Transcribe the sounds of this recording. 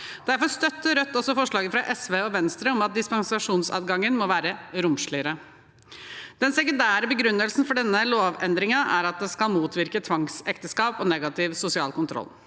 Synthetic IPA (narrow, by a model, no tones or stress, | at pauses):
d̪̥æɾfɔɾst̪œt̪ːəɾœt̪ːɔsːɔfɔʂɭɑːɡəfɾɑʔɛsʋeːɔʋɛnst̪ɾəɔmɑt̪̚d̪ɪspɑŋsɑʂuːnsɑ̰ːd̪ɡɑŋːənmɔʋæːɾəɾʊmʂɭɪəɾə | d̪̥ɛnsɛkʊnd̪æːɾəbəɡɾʉnːəlsn̩fɔɖɛnːəloːʋɛnd̪ɾɪŋɑʔæɾɑt̪̚d̪ɛskɑlmuːt̪ʰʋɪɾkət̪ʰʋɑŋsɛkt̪əskɑːpɔnɛɡɑt̪ɪʋsʊsɪɑ̰ːlkʊnt̪ʰɾɔ̰lː